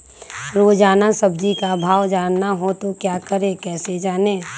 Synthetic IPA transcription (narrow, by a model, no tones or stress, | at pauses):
ɾoːd͡ʒaːnasɐb̚d͡ʒikabʱaːwd͡ʒaːnːaɦot̪okjaːkəɾeːkɛːsed͡ʒaːneː